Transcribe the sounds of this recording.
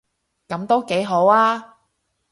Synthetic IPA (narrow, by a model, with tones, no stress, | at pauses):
kɐ˨˥mt̪o˥wke˨˥jɦo˨˥waː˥